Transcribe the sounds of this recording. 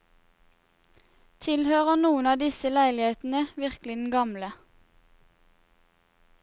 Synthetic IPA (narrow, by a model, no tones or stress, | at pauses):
t̪ʰɪlhøːʁənuːənɑːd̪ɪsəlæɪlɪheːt̪n̩əʋɪʁklɪd̪n̩ɡɑmlə